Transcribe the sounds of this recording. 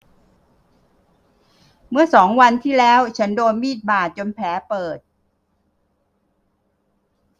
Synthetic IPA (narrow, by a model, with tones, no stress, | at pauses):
mɯ˥˩ɐsɔː˩˦ŋwa˧nt̪ʰiː˥˩lɛː˦˥wt͡ɕʰa˦˥ndoː˧nmiː˥˩t̪̚baː˨˩t̪̚t͡ɕo˧npʰɛː˩˦pɤː˨˩t̪̚